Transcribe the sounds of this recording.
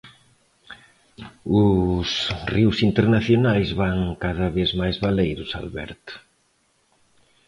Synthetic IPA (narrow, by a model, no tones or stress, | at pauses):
ʊsriwsint̪eɾnaθjonajzβaŋkaðɐβezmajzβalejɾʊsa̰lβɛ̰ɾt̪